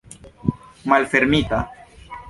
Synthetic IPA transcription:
malfeɾmit̪a

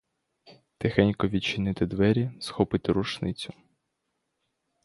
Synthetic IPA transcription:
t̪ɪxɛnʲkɔʋʲit͡ʃːɪnɪt̪ɪd̪ʋɛɾʲisxɔpɪt̪ɪɾuʃnɪt͡sʲʊ

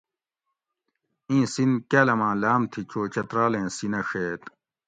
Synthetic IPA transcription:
ĩːsinkaːlɐmãːlaːmt̪ʰit͡ɕʰoːt͡ɕɐt̪ɾaːlẽːsinɐʂeːt̪

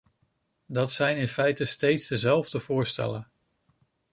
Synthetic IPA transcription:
dɑtsɛjnɪnfɛjtəstejtzdəzɛlˠvdəv̥ʊːɹstɛ̰lən

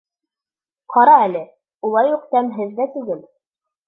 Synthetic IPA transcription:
qʰɑɾɑælɘ | ulˠɑjuq̚t̪æmɦɘðːæt̪ʉɡɘl

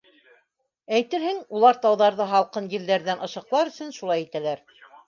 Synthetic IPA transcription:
æjt̪ɘɾhɘŋulˠɑɾt̪ɑwðɑɾðɤɦɑlˠqɤnjɘ̆ld̪æɾðænɤ̆ʃɤ̆qlˠɑɾɵ̆sɵ̆nʃulˠɑjit̪ælæɾ

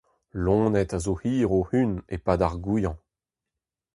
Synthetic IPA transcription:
lɔ̃ːnɛtazohiːʁohynepadaʁɡujɑ̃

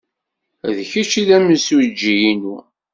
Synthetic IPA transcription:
ðçit͡ʃiðæmənswd͡ʒːijinu

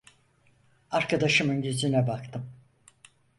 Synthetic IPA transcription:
aɾkad̪aʃɯmɯnɟezinɛbakt̪ʰɯm

